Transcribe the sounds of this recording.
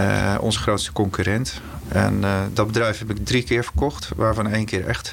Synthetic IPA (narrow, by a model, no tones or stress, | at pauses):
ɔ̰nzəχrowtstə̥kɔŋkyɾɛnt | ʔɛ̰ndɔt̚bədrɛjfɦɛpɪk̚drikɪːɹvəɹkɔxtʋaːɹvɔnejnkɪːɹɛ̰xt